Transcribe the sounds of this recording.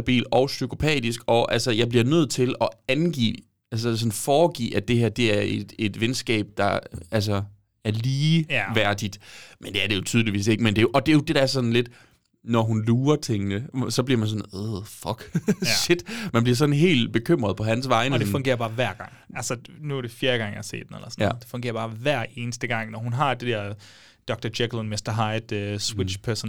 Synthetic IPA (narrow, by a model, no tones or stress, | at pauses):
b̥ḭːlɒ̽ʊsykʰo̝pʰɛ̰ːd̥isɡ̥ɒ̽ʔælsɐjɑ̈ɪb̥liɐnøð̰ˠt͡sʰe̝lɒ̽ænɡ̥ḭː | æls̬əs̬ɒ̽n̩fɒːɡ̥ḭːæd̥e̝hæɐ̰d̥e̝æɐed̥e̝d̥ʋensɡ̥ɛ̰ːb̥̚d̥ɑ̈æls̬ɐ | æɐliːʋæɐd̥id̥mend̥e̝æɐɾe̝jo̝t͡sʰyːðˠliʋḭːse̝ɡ̥əmend̥e̝jʔɒ̽d̥e̝jo̝d̥e̝dææɐs̬ɒ̽n̩le̝d̥ | nɒɦunluːɐt͡sʰeŋ̰ənəsɒ̽b̥liɐmæns̬ɒ̽nfɒ̽ɡ̥ʃe̝d̥mænb̥liɐsɒ̽n̩ɦe̝̰ːld̥̚b̥e̝kʰøm̰ʁɐðˠpʰɒ̽ɦænsʋɑ̈ɪnɒdefɔ̽ŋɡe̝ːɐb̥ɑ̈ːʋæɐɡ̥ɑ̈ŋ̰ælsənuæɐɾ̥e̝fjeːɐɡ̥ɑ̈ŋ̰jɑ̈se̝̰ːd̥en̩ḛlɐsɔn̩ˠd̥e̝fɒŋɡe̝ːɐb̥ɑ̈ːʋæɐ̰e̝ːnəsd̥əɡ̥ɑ̈ŋ̰nɒhunɦɑ̈d̥ed̥ɛɐ̰ | d̥ɒɡ̥̚ɐd͡ʑeɡlnmesd̥ɐɦɑ̈ɪd̥øswɪ̥ɕpʰæɐsn